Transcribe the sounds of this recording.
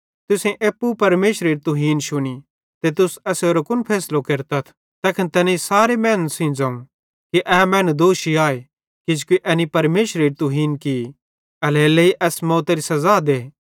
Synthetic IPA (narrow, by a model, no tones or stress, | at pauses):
t̪ʊsẽʔeːpːupɐɾmeːʃɾeːɾt̪uɦiːnʃʊni | t̪et̪ʊsɐseːɾokʊnpʰɛːslokeɾt̪ɐt̪ʰ | t̪ɛːkʰɪnt̪ɛːnesaːɾemɛːnsĩd͡zɐ̃ːũ | kiʔɛːmɛ̃ːnd̪oːʃiaːe | kid͡ʒkiʔɛnipɐɾmeːʃɾeːɾt̪uɦiːnki | ɐleːleiʔɛːsmɔːt̪eɾisɐzaːd̪eː